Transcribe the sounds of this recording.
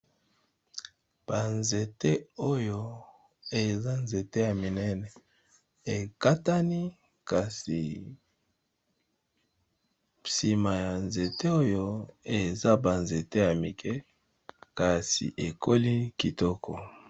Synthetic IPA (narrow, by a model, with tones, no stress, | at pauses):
b̥a˨nze˨te˦o˦jo˦ | e˨za˦nze˨te˦ja˨mi˨nɛ˦nɛ˨ | e˨ka˦ta˦ni˦ | ka˨sḭ˨ | si˨ma˨ja˨nze˨te˦o˦jo˦e˨za˦ba˨nze˨te˦ja˨mi˨kʰɛ˦ | ka˨sḭ˨ʔe˨ko˦li˦ki˨tɔ˦kʰɔ̰˨